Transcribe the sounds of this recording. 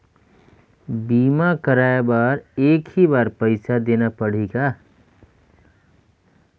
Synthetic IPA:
biːmakəɾaːebaːɾeːkhibaːɾpəɪsad̪eːnapəɽ̤iːɡa

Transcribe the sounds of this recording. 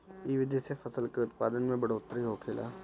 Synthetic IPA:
iʋɪd̪ʱisefɐsəlkeʊt̪̚paːd̪ənmẽbɐɽoːt̪ɾiɦokʰeːla̰ː

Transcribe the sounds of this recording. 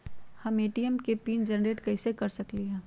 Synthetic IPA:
hɐmeːʈiɛmkepiːnd͡ʒənɾeːʈkɐɪsekɐɾsɐkliɦɛ̃ː

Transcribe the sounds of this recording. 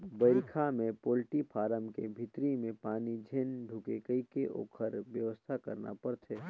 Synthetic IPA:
bəɪɾkʰamẽpoːlʈipʰaːɾəmkebʱɪt̪ɾimẽpaːnid͡ʒʱeːnɖʱʊkekəikeʔo̰ːkʰəɾʋjəʋəst̪ʰakɐ̰ɾna̰pɐɾt̪ʰeː

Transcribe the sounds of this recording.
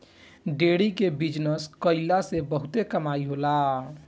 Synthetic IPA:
ɖeɽikebid͡ʒnəskəɪlasebəɦʊt̪ekəmaːiɦola

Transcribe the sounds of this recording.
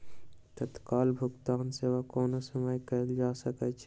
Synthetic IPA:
t̪ət̪kaːlbʱʊɡt̪aːnseʋakɔːnasəmajkəld͡ʒaːsəkɛt͡ʃʰ

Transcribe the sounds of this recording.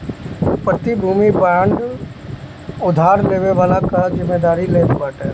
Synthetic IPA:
pət̪ibʱuːmibaːɳɖ | ʊd̪ʱaːɾleːʋeʋaːlakazɪmːeːd̪aːɾileːbbaːʈɛː

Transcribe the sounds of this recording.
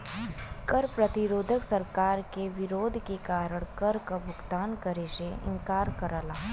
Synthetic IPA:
kɐɾpɾɐt̪ɪɾoːd̪ʱəksɐɾkaːɾkeʋɪɾoːd̪ʱkekaːɾəɽ̃kɐɾkabʱʊɡt̪aːnkɐɾeʃeɪ̰̃ŋkaːɾkɐɾaːlaː

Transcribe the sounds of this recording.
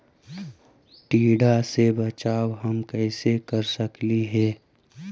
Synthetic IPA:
ʈiːɽasebɐt͡ʃaːwɦəmkɛɪsekəɾsəkliɦɛː

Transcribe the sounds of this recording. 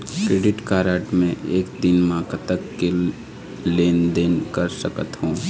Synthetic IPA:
kɾeːɖɪʈkaːɾaːʈmẽʔeːkd̪ɪnmãːkət̪əkːe | leːnd̪eːnkəɾsəkət̪ɦũː

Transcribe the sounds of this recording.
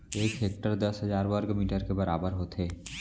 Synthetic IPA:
eːkɦeːk̚ʈəɾd̪ɐsɦəzaːɾwəɾɡmiːʈəɾkebɐɾaːbəɾɦoːt̪ɦeː

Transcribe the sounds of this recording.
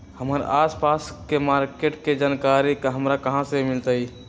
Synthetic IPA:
həməɾaspaskemaɾkeʈked͡ʒankaɾikɦəmɾakəɦãsemilt̪ai

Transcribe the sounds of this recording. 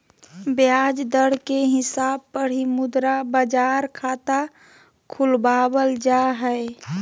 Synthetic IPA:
bjaːd͡ʒd̪əɽ̤keɦɪsaːb̚pəɽimʊd̪ɾabəd͡ʒaːɾkʰaːt̪a | kʰʊlbaːbəld͡ʒaɦɛe

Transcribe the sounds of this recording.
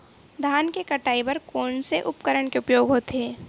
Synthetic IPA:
d̪ʱaːnkekɐʈaːibɐɾkoːɳseʔʊpkəɾəɳkeʊpjoːɡɦoːt̪eː

